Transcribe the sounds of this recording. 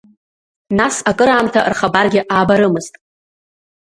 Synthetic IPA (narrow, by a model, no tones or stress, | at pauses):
nasakʼɨɾaːmtʰarχabarɡʲɪʔaːbaɾɨmɨztʼ